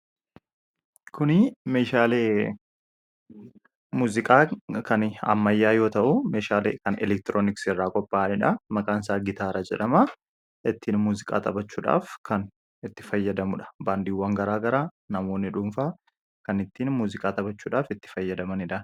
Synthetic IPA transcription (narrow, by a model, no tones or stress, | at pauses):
kʰʊnɪmeːʃaːleː | muːzɪkʼaːkɐnɐ̰mːɐjːaːjo̞ːt̪ɐʔʊmeːʃaːlḛːkɐnɛ̰lɛk̚t̪ɪɾoːnɪksɪrːaːkʼɔpːaːnɪᶑɐmɐkʼaːnsaːɡɪt̪aːɾɐd͡ʒɛ̰ᶑɐmɐ | ɪt̪ːiːnmuːzɪkʼa̰ːt̪ʼɐbɐt͡ʃːuːᶑa̰ːfkɐn | ɪt̪ːɪ̥fɐjːɐd̪ɐmʊᶑɐ̥baːnd̪iːwːɐŋɡɐɾaːɡɐɾaː | nɐmo̞ːnːɪᶑʊmfaː | kɐnɪt̪ːiːnmuːzɪkʼaːt̪ʼɐbɐt͡ʃːuːᶑaːfɪt̪ːɪ̥fɐjːɐd̪ɐmɐnɪᶑɐ